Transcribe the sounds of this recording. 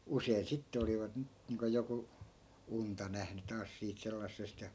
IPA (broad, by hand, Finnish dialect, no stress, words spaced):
usein sitːe oliʋɑt ni niːŋko joku untɑ næhny tɑːs siːt selːɑsːest jɑ